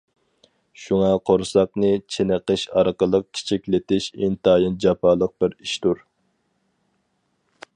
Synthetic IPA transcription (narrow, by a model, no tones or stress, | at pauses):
ʃuŋɑqʰoɾsɑqnɨt͡ʃʰenəqəʃɑɾqəlˠəq̚kʲʰi̥t͡ʃʰikʲlɪt̪ɪʃint̪ɑːjɨnd͡ʒɑpʰɑːlˠəq̚bɪɾiʃt̪uɾ